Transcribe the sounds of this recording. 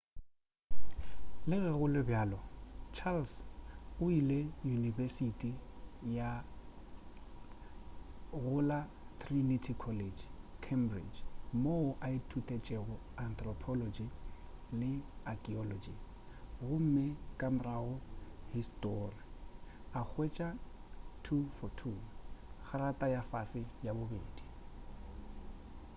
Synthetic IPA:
lɪɣɪɣʊlɪbjaːlɔt͡ʃʰalsʊilejunivesitʼija | ɣʊla | tʰrinitʰikʰɔled͡ʒkʰembrḭd͡ʒmoʊʔaɪtʰutʼet͡ʃʼɛɣʊant̪rɔpʰɔlɔd͡ʒilɪakʼiɔlɔd͡ʒi | ɣʊm̩mɪkʼamʊraʊhistʼɔriak͡xʰwet͡ʃʼa | tʰufɔtʰuχʰaɾatʼajafasɪjabʊbeːdi

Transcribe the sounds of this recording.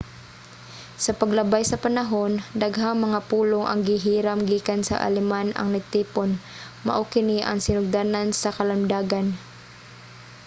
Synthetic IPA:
sɐpɐɡlɐbajsɐpɐnɐɦo̞nd̪ɐɡɦaŋmɐŋapuːloŋʔɐ̰ŋɡɪɦiːɾamɡiːkansɐ̰ʔɐ̰lɛmanɐ̰ŋnɐɡ̚t̪iːpon | mɐ̰ʔokɪniʔɐ̰ŋsɪnʊɡ̚d̪aːnansɐkɐlɐmd̪aːɡan

